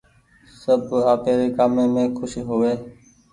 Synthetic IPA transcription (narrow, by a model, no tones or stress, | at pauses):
səbaːpeːɾeːkaːmẽːmẽːkʰʊʃɦoːʋeː